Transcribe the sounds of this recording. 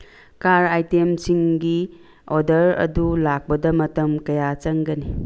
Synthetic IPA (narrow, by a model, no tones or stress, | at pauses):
kaɾajtemsiŋɡi | odɐɾɐ̰dulak̚pɐdɐmɐtɐmkɐjat͡ʃɐŋɡɐni